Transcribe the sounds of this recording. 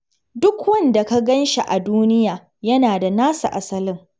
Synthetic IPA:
dʊ˦kwɐ˦nda˨ka˦ɡɐ˦nʃe˨ʔa˨duː˦nɪ˦jaː˨ | jɐ˦naː˨da˨naː˦sa̰˨ʔa˨sɐ˦lɪ˦ŋ

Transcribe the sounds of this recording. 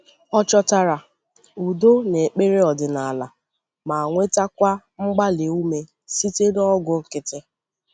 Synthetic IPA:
ɔ˦t͡ʃɔ˦ta˦ɾa˨ | u˨do˦ne˨k͡pe˦ɾe˦ɔ˨dɪ˨na˨a˨la˨ | ma˨ŋʷe˦ta˦kʷa˦ | ŋ͡m̩˦ɡ͡ba˦le˨u˦me˨ | si˦te˦dɔ˦ɡʊ˦ŋ̩˦kɪ˦tɪ˦

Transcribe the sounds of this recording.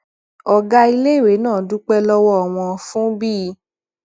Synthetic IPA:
ɔ˧ɡa˧i˧le˦˨we˨˦nãː˦˨du˨˦k͡pɛ˧lɔ˧wɔ˧a˨w̃ɔ̃˧fũ˦bi˦˧˦

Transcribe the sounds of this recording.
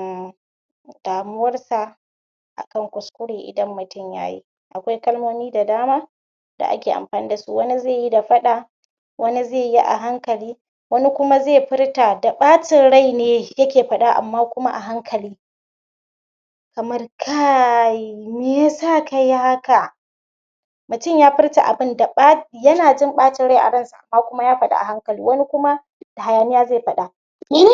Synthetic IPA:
d̥aː˨mʊ˦wɐ˦rsa˨ | ʔa̰˨kɐ˦˨ŋkʷʊ˨skʷʊ˦ɽeː˨ʔɪ̰˨dɐ˦mːʊ˨tʊ˦mja̰ː˦jḭː˦ | ʔa˨kʷa˦jkɐ˦lmoː˦niː˦da˨daː˦maː˦ | d̥a̰˨ʔa̰˦kʲeː˨ʔa̰˨mɸaː˨niː˦da˨su˦wɐ˦ni˦ze˦˨ji˦da˨ɸɐ˦ɗa˨ | wɐ˦ni˦zeː˦˨ji˦ʔa̰˨ɦa˦ŋkɐ˨liː˦ | wɐ˦ni˦kʷʊ˦ma˦zeː˦˨ɸɪ˦ɽta˨da˨ɓaː˦tɪ˨nɽa˦jneː˨˦jɐ˦kʲeː˨ɸɐ˦ɗa˦ʔa̰˨mːaː˦kʷʊ˦ma̰˦ʔa̰˨ɦa˦ŋkʰɐ˨liː˦ | kɐ˨mɐ˦rkʰa˦˨ | me˦ja˦saː˦ka˨ja˦ha˦ka˨ | mʊ˨tʊ˦ɲjaː˦ɸɪ˦rta˨ʔa̰˨bɪ˦nda˨ɓa˦jɐ˦naː˨d͡ʒɪ˦mɓaː˦tɪ˦nɽa˦˨ʔa̰˨ɽɐ˦nsa˨ʔa̰˨mːaː˦kʷʊ˦ma˦jaː˦ɸɐ˦ɗa̰˨ʔa̰˨ɦa˦ŋkɐ˨lḭː˦wɐ˦ni˦kʷʊ˦ma˦ | d̥a˨ha˨jaː˨mɪ˦jaː˦zeː˦˨ɸɐ˦ɗa˨˦

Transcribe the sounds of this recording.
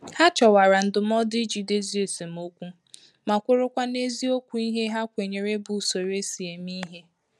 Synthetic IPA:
ha˦t͡ʃɔ˨wa˨ɾa˨n̩˨dʊ˨m̩˦ɔ˦dɪ˦d͡ʒi˨de˦zi˦e˨se˨m˨o˦kʷu˦ | ma˨kʷʊ˦ɾʊ˦kʷa˦ne˦zi˦o˦kʷu˦i˦ɦe˦ɦa˦kʷe˨ɲe˨ɾe˦bʊ˨so˨ɾe˦si˨e˨mi˦ɦe˦

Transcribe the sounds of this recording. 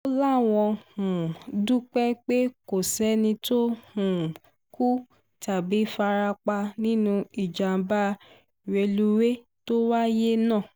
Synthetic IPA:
o˧la˦˨w̃ɔ̃˧hũ˨du˦k͡pɛ˦k͡pe˦ko˨sɛ˦nĩ˧to˦hũ˨ | ku˦ | ta˨bi˨˦fa˧ɾa˧k͡pa˧nĩ˦nũ˧i˨d͡ʒa˨˦ba˦˨ | we˧lu˦we˦ | to˦wa˦je˦nãː˦˨

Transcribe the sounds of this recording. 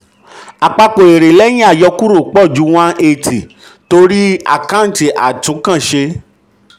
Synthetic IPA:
a˨k͡pa˧k͡po˨e˨ɾe˨lɛ˦j̃ĩ˦a˦˨jɔ˧ku˦ɾo˦˨k͡pɔ˦˨d͡ʒu˨˦w̃ã˦e˧˨tʰi˨ | to˧ɾi˦a̰˨kã˦˨ti˨ʔa̰˨tũ˨˦kã˦˨ʃe˧

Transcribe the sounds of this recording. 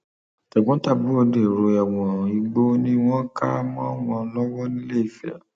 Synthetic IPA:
tɛ˨ɡ͡bɔ̃˨˦ta˦˨bu˨˦o˧de˨ɾo˧ɛ˨w̃ɔ̃˨i˨˧ɡ͡bo˦nĩ˦w̃ɔ̃˦ka˦mɔ̃˦w̃ɔ̃˧lɔ˦wɔ˦nĩ˦le˦i˦˨fɛ̰˨

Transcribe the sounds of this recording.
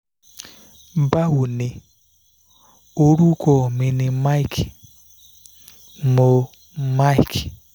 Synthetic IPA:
ba˦ɦu˨nɪ˨ | o˦ɾu˦kɔ˨mi˨nɪ˨ma˦i˦k | mo˨ | ma˦i˨k

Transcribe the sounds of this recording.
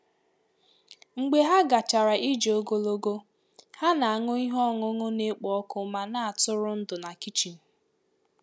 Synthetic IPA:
ŋ͡m̩˨ɡ͡be˨ɦa˦ɡa˨t͡ʃa˨ɾa˨ʔi˦d͡ʒo˦ɡo˦lo˦ɡo˦ | ha˦na˨a˨ŋʊ˦i˦ɦɔ˦˨ŋʊ˦ŋʊ˦ne˦k͡pɔ˨ɔ˦kʊ˦ma˦na˦a˨tʊ˦ɾʊ˦n̩˦dʊ˨na˨ki˦t͡ʃi˨n̩˨

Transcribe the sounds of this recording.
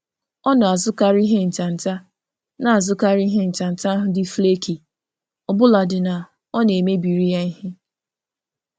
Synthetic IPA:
ɔ˦nʊ˨a˨zʊ˦ka˨ɾi˦ɦe˦n̩˨t͡ʃa˨n̩˨ta˦ | na˨a˨zʊ˦ka˦ɾi˦ɦe˦n̩˨t͡ʃa˨n̩˨ta˦ɦʊ˦dɪ˦fle˦ki˨ | ɔ˨bʊ˦la˨dɪ˨na˨ | ɔ˦ne˨me˦bi˨ɾi˦ja˦ɦɪ˦

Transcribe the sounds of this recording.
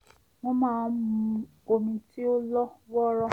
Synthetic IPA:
mɔ̃˦mãː˦˨˦mũ˧ | o˧mĩ˧ti˦o˦lɔ˦wɔ˦ɾɔ˦

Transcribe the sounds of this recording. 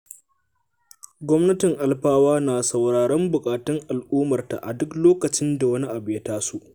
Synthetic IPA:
ɡʷɔ˦mnɐ˦tɪ˨ŋʔa˨lɸaː˦waː˦naː˨sɐ˨wɽaː˨ɽɐ˦mbʊ˨kʼaː˨tɪ˦ŋʔa˨lʔuː˦mɐ˨rta̰˨ʔa̰˨dʊ˦kloː˦kɐ˨t͡ʃɪ˦nda˨wɐ˦ni˦ʔa˨bɪ˨jɐ˦taː˦su˦ʔ

